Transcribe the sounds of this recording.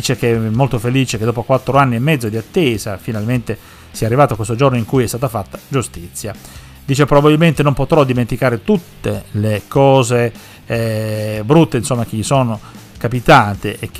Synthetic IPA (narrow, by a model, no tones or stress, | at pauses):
iːt͡ʃek̟eɛmːolt̪ofeliːt͡ʃeked̪ɔːpokwat̪ːɾoanːiemːɛd̪zːod̪iat̪ːeːzafinalment̪e | siɛarːivaːt̪oakwest̪od͡ʒornoiŋkujɛst̪aːt̪afat̪ːad͡ʒust̪it̪sːja | d̪iːt͡ʃepɾobababilment̪enompot̪ɾɔd̪iment̪ikaːɾet̪ut̪ːelekɔːze | bɾut̪ːeinsomːak̟eʎisoːnokapit̪ant̪eʔek